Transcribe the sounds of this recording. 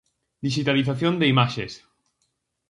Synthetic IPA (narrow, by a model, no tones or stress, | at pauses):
d̪iʃit̪aliθ̬aθjond̪eimaʃes